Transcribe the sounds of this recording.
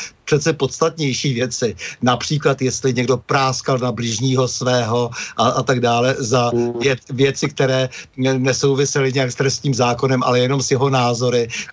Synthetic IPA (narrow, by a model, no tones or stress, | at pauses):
pr̝̥ɛt̪t͡sɛpo̞t̪st̪at̪ɲɛjʃiːvjɛt͡sɪnapr̥iːklat̪jɛst̪lɪɲɛɡdo̞pɾaːskalnablɪʒɲiːɦo̞svɛːɦo̞ʔaʔat̪aɡdaːlɛzavjɛvjɛt̪t͡sɪk̚t̪ɛɾɛːnɛso̞wvɪsɛlɪɲɛakst̪ɾɛst̪ɲiːmzaːko̞nɛmʔa̰lɛjɛno̞msjɛɦo̞naːzo̞ɾɪ